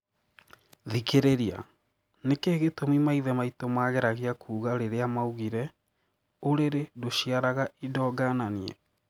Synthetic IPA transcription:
ðikeɾeɾia̰ | nekeːɣetomimaiðɛmaitomaːɣɛɾaɣeakʰuːɣaɾeɾeamauɣiɾɛ | oɾeɾedoɕiaɾaɣaidɔːɡananiɛ̰

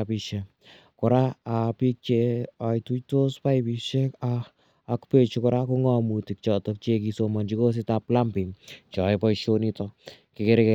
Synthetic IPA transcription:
apiʃa | kɔɾaapik̚t͡ʃeajtutospajpiʃekaː | kpet͡ʃukɔɾakuŋɔmutik̚t͡ʃɔtɔk̚t͡ʃek̬isomand͡ʒikos̬ɪtaplampɪt͡ʃɔɛpɔjʃonitɔ | kɪkeɾeke

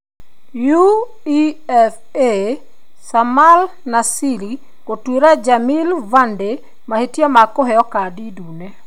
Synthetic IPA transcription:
ju | iɛf | e | samal | nasili | kotweɾad͡ʒamilvande | mahetjamakɔɦɛjɔkadidune

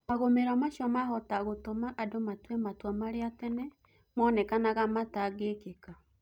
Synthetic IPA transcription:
maɣomeɾamaʃjɔmaɦɔtaɣotomaʔadomatwɛmatwamaɾeatɛnɛ | mɔnɛkanaɣamataɣekeka

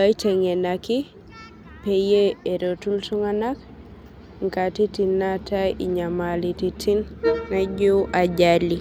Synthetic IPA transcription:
bajtɛŋɛnaki | pɛjeːɾotulsuŋanak | ŋkatitinːatajiɲamalititʰinnad͡ʒowʔaɟali

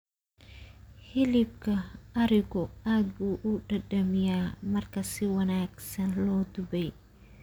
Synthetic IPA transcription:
hɪlɪb̚kʰɐɐɾɪɡɔaːd̪̚buːʔuɖɐɖɐmɪjaːmɐrkʰɐsɪwɐnaːɡsɐnlɔːd̪ʊbɛj

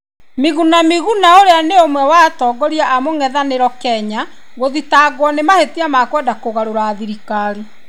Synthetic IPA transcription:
miɣunamiɣunaoɾeaneomwɛwatɔɡɔɾiaʔamoŋɛðaneɾɔkɛɲa | ɣoðitaːɣwɔnemahetiamakwɛdakoɣaɾoɾaːðiɾikaːɾi

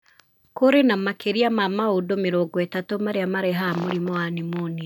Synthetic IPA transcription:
koɾenamakeɾiamamaodomeɾoːɡɔetatomaɾeamaɾeɦamoɾimɔanimoni

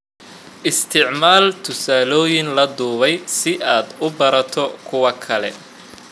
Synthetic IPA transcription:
ʔɪst̪ʰɪʕmaːlt̪ʰʊsaːlɔːjɪnlɐd̪uːβɛjsɪʔaːd̪ʊbɐɾɐt̪ʰɔkʰʊwɐkʰɐlɛ̰

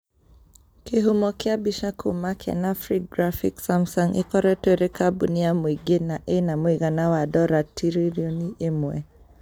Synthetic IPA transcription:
kiɦumɔkɛabiʃakʰumakʰɛ̰nafɾiɡɾafiksamsɔŋḭkɔɾɛtweɾikabuniamwiɡenaʔenamwiɣanawadɔɾatʰiɾiɾiɔniʔɛmwɛ̰

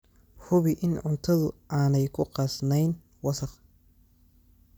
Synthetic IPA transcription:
hʊβɪʔɪnʕʊnt̪ʰɐðʊʔaːnɛjkʰʊqɑsnɛjn | wɑsɐq

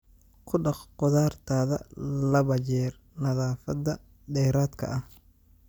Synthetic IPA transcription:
kʰʊɖɑχqʊðaːrt̪ʰaːðɐ̰lɐβɐt͡ʃɛːr | nɐðaːfɐd̪ɐ | dɛːɾaːd̪kʰɐ̰ʔɐh

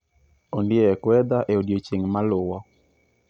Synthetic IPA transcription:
ondɪɛkwɛd̪aʔeodjot͡ʃeŋmalʊwɔ

